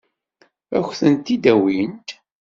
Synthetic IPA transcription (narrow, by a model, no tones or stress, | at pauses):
æ̰xθənt̪id̪æwint̪